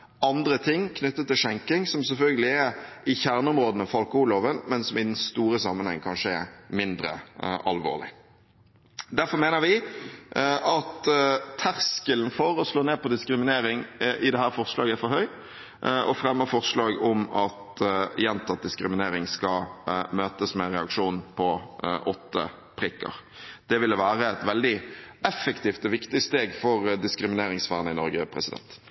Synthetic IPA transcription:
ɑnd̪ɾət̪ʰɪŋːkʰnʉt̪ːət̪ʰːɪlʂɛŋkɪŋsɔmsɛlfœlɡəlɪɛɪçæʁnəʊmɾoːd̪ənəfɑlkəhʊloːʋənmɛnsɔmɪd̪ɛnst̪uːɾəsɑmːənhɛ̰ŋːkʰɑnʂəɛ̰ɾmɪnd̪ɾə̰ʔɑ̰lʋo̰ːʁlɪ̰ | d̪æɾfɔɾmeːnəʋɪ | ɑt̪t̪ʰːæʁskəln̩fɔɾɔsloːneːpʰɔd̪ɪskɾɪmɪneːɾɪŋʔɪd̪ɛhæːɾfɔʁslɑːɡəæfɔɾhœʏ | ʔʔɔfɾɛmːəɾfɔɾslɑːɡɔmɑt̪jɛnt̪ʰɑt̪̚d̪ɪskɾɪmɪneːɾɪŋskɑmøːt̪əsmɛʁɛɑkʂuːnpʰɔʔɔt̪ːə̰ | pʰɾɪkːə̰ɾd̪̥ɛʋɪlːəʋæːɾəɛt̪ʋɛld̪ɪɛfəkt̪iːft̪əʋɪkt̪ɪst̪eːɡfɔɾd̪ɪskɾɪmɪneːɾɪŋsʋæːʁnəɪnɔɾɡəpʰɾɛ̰sɪd̪ɛ̰nt̪

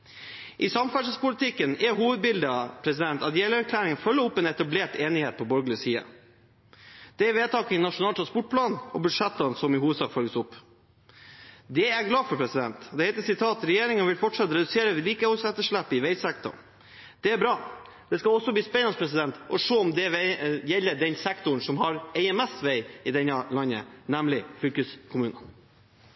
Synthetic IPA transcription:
ʔɪsɑmfæʂəspʊlɪt̪ʰɪkːənɛɾɦuːʋəd̪̚bɪld̪əpʰɾɛsɪd̪ɛnt̪ɑt̪jɛləæɾkʰlæːɾɪŋənfœlːəɔpːɛːnɛt̪ɑbleːʈeːnɪheːt̪̚pʰɔbœɾɡlɪəsiːə̰ | d̪̥ɛæɾʋeːt̪ɑːknɑʂʊnɑlt̪ɾɑnspɔʈ̚pʰlɑːnɔ̰bʉd̪ʂɛt̪ːɑnsɔmɪhuːʋəd̪sɑːkfœləsʊpː | d̪ɛæɡlɑːfɔɾpʰɾɛsɪd̪ɛ̰nt̪d̪ɛhɛɪt̪əsɪt̪ʰɑːt̪ɾɛjeːɾɪŋənʋɪlfɔʈʂɑt̪ːɾɛd̪ʉseːɾəʋɪliːkəhɔlsɛt̪ːəʂɭæpːɪʋæɪsɛkt̪ʊ̰ | d̪̥ɛæɾbɾɑː | d̪̥ɛskɑɔsːɔbliːspɛɑnspʰɾɛsɪd̪ɛnt̪ɔʂoːɔmd̪ɛʋɛjɛlːəɖɛnsɛkt̪ʊɳ̩sɔmhɑɾɛɪɛmɛsʋæɪɪd̪ɛnːɑlɑnːə̰næmlɪflʏlkəskʰʊmʉːnə

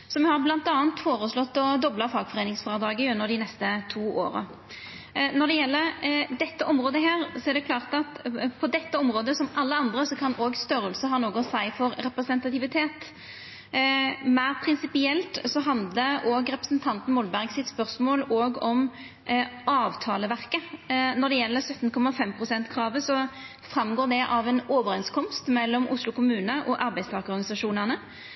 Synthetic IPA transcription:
sɔmɛhɑʁblɑnt̪ɑːnt̪foːʁəslɔt̪ːɔd̪ɔbləfɑːɡfɔʁeːnɪŋsfɑʁəd̪ɑːɡəʉnːəɾd̪ɪnɛst̪ət̪ʰuːʔo̰ːɾə̰ | nɔɾd̪ɛjɛlːəɾd̪ɛt̪ːəʔɔmɾoːd̪əɦæːʁsɔæʁɾd̪ɛkʰlɑːʁt̪ɑt̪pʰɔd̪ɛt̪ːəɔmɾoːd̪əsɔmʔɑlːəɑnd̪ɾəsɔkʰɑnoːɡst̪œɾəlsəɦɑːnoːɡʊsæɪfɔɾɾɛpɾɛsənt̪ɑt̪ɪʋɪt̪ʰeːt̪ | mæɪʁpʰɾɪnsɪpɪɛlt̪sɔɦɑnd̪ləoːɡɾɛpɾəsn̩t̪ʰɑnt̪n̩mɔlbæɾɡsɪt̪spœʁsmoːloːɡɔm | ʔɑːʋt̪ʰɑːləʋæʁkənɔd̪ɛjɛlːəɾsœt̪ːnkʰɔmːɑfɛmpʰʁʊsɛnt̪kʰɾɑːʋəsɔ | fɾɑmɡoːd̪ɛʔɑʋɛnoːʋəɾɛnskʰɔmst̪mɛlːɔmʔʊslʊkʊmʉːnəʔɔʔɑɾbæɪst̪ʰɑːɡəɔɾɡɑnɪsɑʂuːnənə

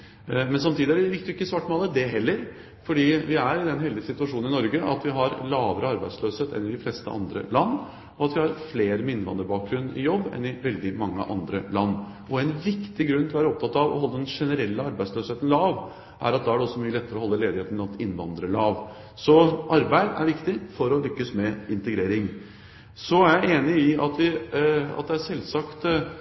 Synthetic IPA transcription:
mɛnsɑmt̪ʰiːd̪ɪæɾʋɪkt̪jɪkːəsʋɑʈːmɑːlːəd̪ɛɦɛlːəɾ | fɔɖiːʋɪæɾɪd̪ɛnɦɛld̪ɪəsɪt̪ʉɑʂuːnn̩ɪnɔɾɡəʔɑ̰t̪ʋɪɦɑɾlɑːʋəɾəɑɾbæɪd̪sløːsheːt̪ɛ̰nːɪd̪ɪflɛst̪əʔɑ̰nd̪ɾə̰lɑnː | ɔɑt̪ʋɪhɑɾfleːɾəmɪnːʋɑ̰nd̪əɾəbɑːk̚ɡɾʉnːɪ̰jɔbːɛ̰nɪʋɛld̪ɪmɑŋːə̰ʔɑ̰nd̪ɾəlɑnː | ʔɔɛnʋɪkt̪ɪɡɾʉnt̪lɔʋæːɾəɔp̚t̪ʰɑt̪ːɑʋɔ̰ɦɔlːəd̪ɛnʂɛnəɾɛlːəɑɾbæɪsløːsheːt̪n̩lɑːʋ | ʔæ̰ɾɑt̪̚d̪ɑːæɖɛɔsːɔmyːəlɛt̪ːəɾəɔɦɔlːəleːd̪ɪheːt̪nɑt̪ɪnʋɑ̰nd̪ɾəɭɑːʋ | sɔʔɑɾbæɪd̪æ̰ɾʋɪkt̪ɪfɔɾɔlʏkːəsmɛɪnt̪əɡɾeːɾɪŋ | sɔæɾjæɪeːnɪɪɑt̪ʋɪɑ̰t̪̚d̪ɛæʂɛlːsɑkt̪

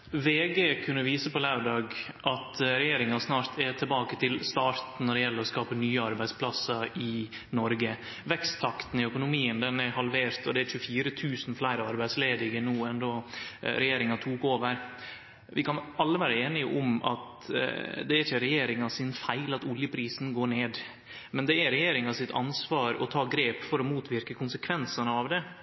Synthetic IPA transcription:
ʋeːɡeːkʰʉnːəʋiːsəpɔlæʉɖɑːɡ | ʔɑt̪ɾɛjeːɾɪŋɑsnɑːɾt̪ʰɛt̪ʰɪlbɑːkət̪ʰɪlst̪ɑːɾt̪nɔɖɛjɛlːəɾɔskɑːpənyːəɑɾbæɪspʰlɑsɑɾɪ | nɔɾɡə | ʋɛkst̪ʰːɑkt̪n̩ɪœkʊnʊmiːənd̪ɛnæɾhɑlʋeːɾt̪ɔd̪ɛæɾçʉəfiːɾət̪ʰʉːsn̩flæɪɾəɑɾbæɪd̪sleːd̪ɪɡənuːɛnd̪oːɾɛjeːɾɪŋɑt̪ʰuːkoːʋəɾ | ʋɪkɑnɑlːəʋæːɾəeːnɪʔʊmɑ̰t̪ | d̪ɛæɾɪçəɾɛjeːɾɪŋɑsɪnfæɪlɑt̪ʊljəpʰɾiːsn̩ɡoːɳeːd̪ | mɛnd̪ɛæɾɛjeːɾɪŋɑsɪt̪ɑ̰nsʋɑːɾɔ̰t̪ʰɑːɡɾeːpfɔɾɔmuːt̪ʰʋɪɾkəkʰʊnsəkʰʋɛnsɑnəɑʋd̪ɛ

